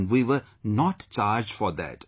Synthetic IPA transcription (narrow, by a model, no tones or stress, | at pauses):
nɖʋiːʋəɾ | nɔʈt͡ʃaːɾd͡ʒɖfɔɾd̪æ̰ʈ